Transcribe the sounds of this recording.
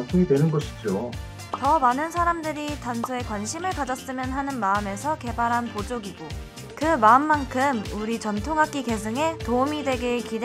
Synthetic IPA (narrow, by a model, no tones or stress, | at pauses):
nsʰuŋidwe̞nɯnɡʌɕʰi̥d͡ʑo | tʌmanɯnsʰaɾamdɯɾitansʰoe̞kwanɕʰimɯɭkad͡ʑʌs͈ɯmjʌnɦanɯnmaɯme̞sʰʌke̞baɾɦanpod͡ʑoɡiɡo | kɯmaɯmːankʰɯmuɾit͡ɕʌntʰoŋɦak͈ike̞sʰɯŋe̞toumidwe̞ɡekid